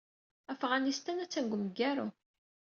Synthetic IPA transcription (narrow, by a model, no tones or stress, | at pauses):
æfʁænist̪ænæt͡sːæŋɡʷməɡːæɾu